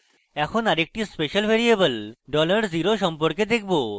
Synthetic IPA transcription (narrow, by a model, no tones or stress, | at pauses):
ɛkʰonaɾek̚ʈispeʃalbʱeɾiebelɖɔlaɾd͡ʑiɾoʃɔmpoɾked̪ek̚ʰbo